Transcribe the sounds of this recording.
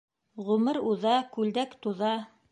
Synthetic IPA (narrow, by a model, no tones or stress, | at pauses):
ʁɵ̆mɤɾuðɑkʉld̪ækt̪uðɑ